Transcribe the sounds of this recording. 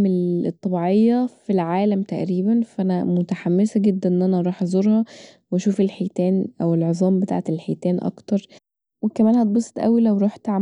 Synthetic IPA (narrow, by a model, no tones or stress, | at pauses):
melet̪ˤːɑbiʕejːɑfilʕaːlæmt̪æʔɾiːbænfæʔænæmot̪aħamːesæɡed̪ːænʔenʔænæʔɾˤɑːħʔɑzˤoɾˤhɑwæʃuːfelħeːt̪æːnʔæwelʕezˤɑːmbet̪a̰ʕet̪elħeːt̪æːnʔɑ̰kt̪ɑɾˤ | wekæmæːnhæt̪̚bosˤt̪ʔæ̰wilæwɾˤoħt̪ʕa